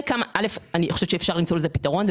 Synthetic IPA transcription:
kamaʔalefanixoʃev̥ʃeːfʃaʁlimt͡so̞lezepitaʁo̞nve

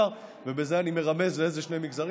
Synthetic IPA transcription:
aʁ | vebe̞zeanime̞ʁame̞zleezeʃne̞jmiɡzaʁ

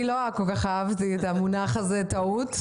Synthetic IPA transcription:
iloakolkaχaavt̪it̪amunaχazet̪aut̪

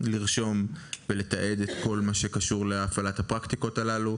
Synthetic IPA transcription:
liʁʃo̞mvele̞t̪aʔe̞d̪et̪ko̞lmaʃe̞kaʃuʁleafalathapʁakt̪iko̞talalu

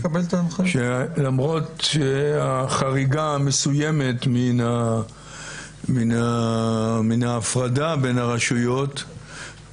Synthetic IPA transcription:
kabelt̪aːnχeʃelamʁo̞tʃeaχaʁiɡamesujeme̞tmina | mina | minaːfʁadabe̞naʁaʃujo̞t

